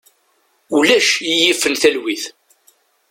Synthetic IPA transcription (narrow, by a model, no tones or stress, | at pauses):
ulæʃijifːənθælwiθ